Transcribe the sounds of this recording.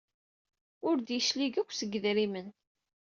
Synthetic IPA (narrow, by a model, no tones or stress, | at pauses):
ʊɾd̪jəʃliɡækʷːsəɡːðɾimən